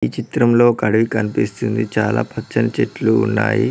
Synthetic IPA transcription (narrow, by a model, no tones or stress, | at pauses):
it͡ʃit̪ɾɐmlo̞ːkɐɽɐʋikɐnipist̪und̪it͡ʃaːla̰ːpʰɐt͡ʃːɐnɐt͡ʃeʈluːnːa̰ːjḭ